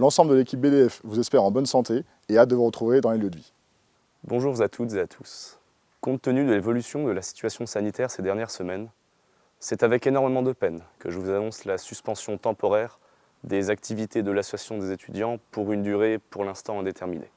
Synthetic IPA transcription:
lɑ̃sɑ̃bləd̪əlekʲip̚bed̪eɛfvuzɛspɛʁɑ̃bɔnsɑ̃t̪e | ead̪əvuʁət̪χuved̪ɑ̃leljəd̪vi | bɔ̃ʒuʁzat̪ʰut̪zeat̪ʰu̥s | kɔ̃t̪ːənyd̪əlevɔlysjɔ̃d̪əlasi̥t̪ɥasjɔ̃sanit̪ɛʁsed̪ɛʁnjɛʁsəmɛn | sɛt̪avɛkenɔʁmemɑ̃d̪əpɛnkəʒəvuzanɔ̃slasyspɑ̃sjɔ̃t̪ɑ̃pɔʁɛʁ | d̪ezak̚t̪ʰivit̪ed̪əlasasjɔ̃d̪ezet̪ʰyd̪jɑ̃puʁynd̪yʁepuʁlɛ̃st̪ɑ̃ɛ̃d̪et̪ʰɛʁminʔḛ

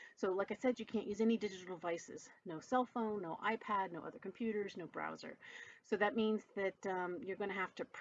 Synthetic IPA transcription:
soʊlaɪkaɪsɛd͡ʒjɨkʰæ̃nʔjʉzɛnidɪd͡ʒɨɾl̩ˠvaɪsɨ̰z̥noʊsɛlˠfõʊ̃nːoʊʔa̰ɪpʰædⁿnoʊʌ̰ðə˞kʰmpʰj̥ʉɾə˞znoʊbɹa̰ʊzə̰˞soʊðɨt̚mĩnzðɨt̚ʌ̃mjə˞ɡʌ̃ñɨɦæftɨpʰ

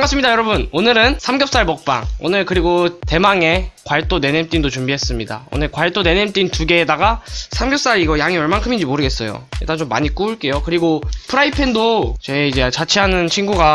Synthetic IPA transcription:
ŋas͈ɯmɲidajʌɾʌbunonɯɾɯnsʰamɡjʌp̚s͈aɭmʌk̚p͈a̰ŋo̰nɯɭkɯɾiɡote̞maŋe̞kwaɭt͈one̞nemt͈indot͡ɕumbiɦe̞s͈ɯmɲida̰o̰nɯɭkwaɭt͈one̞nemt͈intuɡe̞ːdaɡasʰamɡjʌp̚s͈aɾiɡʌjaŋiʌɭmankʰɯmind͡ʑimoɾɯɡe̞s͈ʌ̰jo̰j̰t͈ant͡ɕomːa̰ɲik͈uːɭk͈e̞jokɯɾiɡopʰɯɾaipʰendot͡ɕe̞id͡ʑe̞t͡ɕat͡ɕʰiɦanɯnt͡ɕʰinɡuɡa

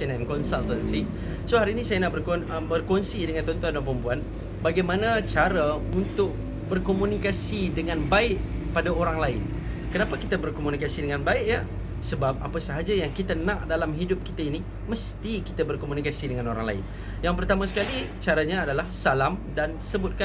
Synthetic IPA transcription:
nankɔnsalt̪ansi | soɦaɾinisajanaʔbərkobərkɔnsidəŋant̪ɔnt̪uandampəmpuan | baɡajmãnat͡ʃaɾaunt̪ʊk̚ | bərkomunikasidəŋãnbaɪʔ | padaoɾaŋlaɪn | kənapakit̪abərkomunikasidəŋanbaɪʔja | səbap̚a̰pasəɦad͡ʒajaŋkit̪anãʔdalamɦidʊp̚ki̥t̪aini | məst̪iki̥t̪abərkomunikasidəŋanoɾa̰ŋla̰ɪ̰n | jaŋpərt̪amasə̥kali | t͡ʃaɾaɲaːdalahsalamdansəbʊt̪̚ka

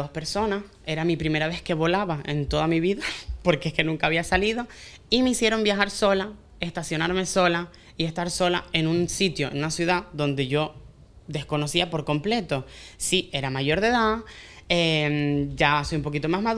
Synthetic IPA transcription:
ospe̞ɾso̞nas | e̞ɾamipɾime̞ɾaβe̞ske̞βo̞laβae̞̰nt̪o̞ðamiβiðapo̞ɾkeeske̞nũŋkaːβiasalið̞o̞ | imeisje̞ɾo̞mbjaxaɾso̞la | e̞st̪asjo̞naɾme̞so̞la | ie̞st̪aɾso̞lae̞nũnsit̪jo̞ḛnunasjuð̞aðo̞nd̪e̞ʝo̞ | d̪e̞sko̞no̞siapo̞ɾko̞mple̞t̪o̞sie̞ɾamaʝo̞ɾðe̞ða | emɟ͡ʝaso̞jumpo̞k̬it̪o̞maɦmað

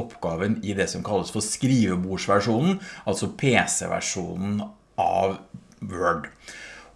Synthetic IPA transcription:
ɔpʰɡɑːʋənɪd̪ɛsɔmkʰɑlːəsfɔskɾiːʋəbuːʂʋæʂuːnn̩ʔɑlsɔpʰeːsɛ̰ʋæ̰ʂuːnn̩ | ʔɑ̰ʋ | ʋøːɖ

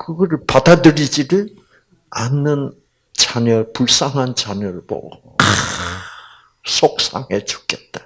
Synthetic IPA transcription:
kɯɡʌɾɯɭpadadɯɾid͡ʑidɯɭ | anːɯn | t͡ɕaɲʌpuɭs͈aŋɦant͡ɕaɲʌɾɯɭmʌ̰ | k | sʰok̚s͈a̰ŋɦet͡ɕu̥k͈et̚t͈a

